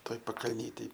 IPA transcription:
ˈtoːj pɐkɐlʲˈnʲiːtʲeːj

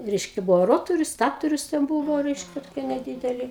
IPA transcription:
ˈrʲɛɪʃʲkʲɛ ˈbʊʋoː ˈroːtoːrʲʊs ˈstɑːtoːrʲʊs tʲɛn ˈbuːʋoː ˈrʲɛɪʃʲkʲɛ toːˈkʲiɛ nʲɛˈdʲiːdʲɛlʲɪ

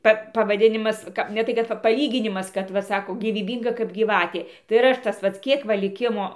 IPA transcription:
ˈpɐ pɐʋɐˈdʲɪnʲɪmɐs ˈkɐ nʲɛ ˈtɐɪ kɐt ˈpɐ pɐˈlʲiːɡʲɪnʲɪmɐs ˈkɐt ˈʋɐ ˈsɑːkoː ɡʲiːʋʲiːˈbʲiːŋɡɐ kɐp ɡʲiːˈʋɑːtʲeː tɐɪ ɪr ˈɐʃ tɐs ˈpɐts ˈkʲiɛk ʋɐ lʲɪˈkʲɪmoː

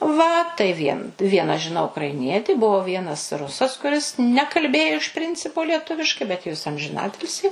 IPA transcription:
ˈʋɐ tɐɪ ʋʲiɛ ˈʋʲiɛnɐ ʒʲɪˈnɐʊ ʊkrɐɪˈnʲiɛtʲɪ ˈbʊʋoː ˈʋʲiɛnɐs ˈrʊsɐs kʊˈrʲɪs nʲɛkɐlʲˈbʲeːjʊ ɪʃ ˈpʲrʲɪnʲt͡sʲɪpʊ lʲiɛˈtʊʋʲɪʃkɐɪ bʲɛt jɛʊ jɪs ɐmʲʒʲɪˈnɑːtʲɪlʲsʲiː

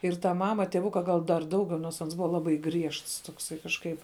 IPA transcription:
ɪr tɐ ˈmɑːmɐ tʲiɛˈʋʊkɐ ɡɐlˠ dɐr ˈdɐʊɡʲɛʊ noːrs ˈɐns ˈbʊʋɐ ˈlˠɑːbɐɪ ˈɡrʲiɛʃts ˈtoːksɐɪ kɐʃˈkɐɪp

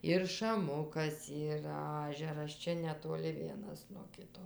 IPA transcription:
ɪr ʃɐˈmʊkɐs ˈiːrɐ ˈɑːʒʲɛrɐs ˈt͡ʃʲɛ nʲɛtoːˈlʲɪ ˈʋʲiɛnɐs nuɔ ˈkʲɪtoː

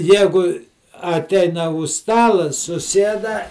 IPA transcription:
ˈjæːɡʊ ɐˈtʲɛɪnɐ ʊʃ ˈstɑːlˠɐ sʊˈsʲiɛdɐ

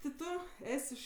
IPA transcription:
tʲɪ ˈtʊ ˈɛsʲ ɪʃ

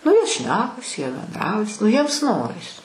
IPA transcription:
ˈnʊ jiɛ ˈʃʲnʲæːkɐs jiɛ bʲɛnˈdrɐʊjɛs ˈnʊ jiɛms ˈnoːrʲɪs

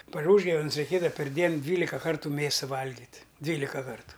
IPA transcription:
pɐr ˈuːʒɡɐwnʲɛs rʲɛɪˈkʲeːdɐʋɐ pʲɛrʲˈdʲiɛn ˈdʲʋʲiːlʲɪkɐ ˈkɐrtʊ ˈmʲeːsɐ ˈʋɐlʲɡʲɪtʲ ˈdʲʋʲiːlʲɪkɐ ˈkɐrtʊ

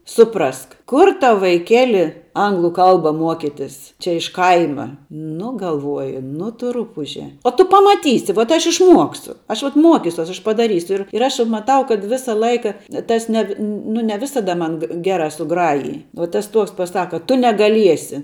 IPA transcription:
ˈsʊprɐsk ˈkʊr ˈtɐʊ ʋɐɪˈkʲæːlʲɪ ˈɐŋɡlˠʊ ˈkɐlˠbɐ ˈmuɔkʲɪtʲɪs t͡ʃʲɛ ɪʃ ˈkɐɪmɐ ˈnʊ ɡɐlˠˈʋuɔjʊ ˈnʊ ˈtʊ ˈrʊpʊʒʲɛ oː ˈtʊ pɐmɐˈtʲiːsʲɪ ʋoːt ˈɐʃ ɪʃˈmuɔksʲʊ ˈɐʃ ʋɐt ˈmuɔkʲɪsʲuɔs ɐʃ pɐdɐˈrʲiːsʲʊ ˈɪr ɪr ɐʃ mɐˈtɐʊ kɐt ˈʋʲɪsɐ ˈlˠɐɪkɐ ˈtɐs nʲɛ ʋʲɪ ˈnʊ nʲɛ ˈʋʲɪsɐdɐ ˈmɐn ɡʲeː ˈɡʲæːrɐ sʊˈɡrɑːjɪj uɔ ˈtɐs ˈtuɔks pɐˈsɑːkɐ ˈtʊ nʲɛɡɐlʲˈiɛsʲɪ

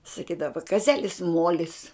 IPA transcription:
sɐˈkʲiːdɐʋɐ kɐˈzʲæːlʲɪs ˈmuɔlʲɪs

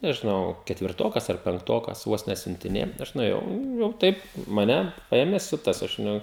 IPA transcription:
nʲɛʒʲɪˈnɐʊ kʲɛtʲʋʲɪrˈtoːkɐs ɐr pʲɛŋkˈtoːkɐs ˈʋoːs nʲɛsʲʊnʲtʲɪˈnʲeːjɛ ˈɐʃ nʊeːˈjɛʊ jɛʊ ˈtɐɪp mɐˈnʲɛ ˈpɐeːmʲeː ˈsʲʊtɐs ɐʃ ˈnʊ

